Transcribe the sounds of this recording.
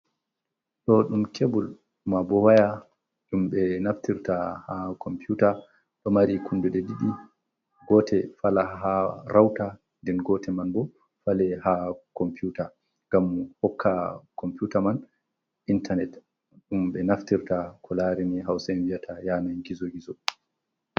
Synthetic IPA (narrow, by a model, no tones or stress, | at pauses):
ɗɔɗumkʰebul | mabɔwaja | ɗumɓɛnaftiɾtahakʰɔmpjuta | ɗɔmaɾikundudɛdiɗi | ɡɔtʰɛfalaɦaɾawta | ndɛnɡɔtʰɛmanbɔ | falɛhakɔmpiuːta | ŋɡamhɔkʰːakɔmpjutaman | ʔintanɛt | ɗumbɛnaftiɾtakʰɔlaɾiniɦawsanvijatʰajanaɡizɔɡizɔ